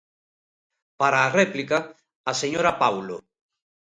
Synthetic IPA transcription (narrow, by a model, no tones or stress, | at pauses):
paɾaːrɛplikaː | seɲoɾapawlo